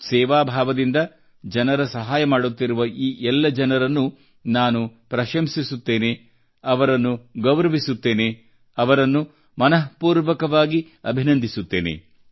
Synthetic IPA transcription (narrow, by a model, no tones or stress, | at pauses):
sɛːʋaːbʱaːʋɐd̪ind̪ɐ | d͡ʒɐnɐɾɐsɐɦaːjɐmaːɽut̪ːiɾuʋɐʔiːʔɛlːɐd͡ʒɐnɐɾɐnːu | naːnupɾɐʃɐmsisut̪ːe̞ːne̞ | ɐʋɐɾɐnːuɡɐwɾɐʋisut̪ːe̞ːne̞ | ɐʋɐɾɐnːu | mɐnɐɦpuːɾʋɐkɐʋaːɡi | ɐ̰bʱinɐnd̪ʱisut̪ːe̞̰ːnḛ